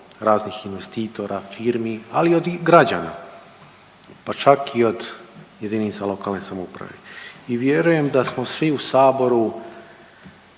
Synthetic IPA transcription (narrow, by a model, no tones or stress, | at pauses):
ɾaːznixinʋe̞st̪iːt̪o̞ɾʔafiːɾmia̰liod̪ɡɾad͡ʑa̰ːna̰ | pat͡ʃakio̞d̪jed̪inisalˠo̞kaːlne̞samoupɾa̰ʋe̞̰iʋje̞ɾuje̞md̪asmo̞sʋiusaːbo̞ɾu